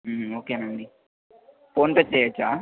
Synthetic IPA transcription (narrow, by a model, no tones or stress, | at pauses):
oːkenɐɳɖi | poːnpet͡ʃeːjat͡ʃːaː